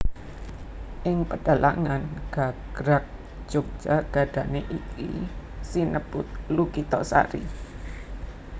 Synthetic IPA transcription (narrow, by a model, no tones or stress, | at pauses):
ʔɪŋpəɖ̥a̤la̰ŋanɡ̥aɡ̥ɾak̚ | ʒ̥ok̚ʒ̥aɡ̥ä̤ɖ̥ä̤neʔikḭsinəb̥ʊt̪̚lukit̪ɔsa̰ɾi